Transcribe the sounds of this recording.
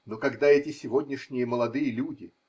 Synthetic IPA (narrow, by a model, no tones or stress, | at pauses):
nokɐɡd̪aɛtʲɪsʲɪvo̞dʲnʲɪʂnʲɪjəməlˠɐd̪ɨjəlʲudʲɪ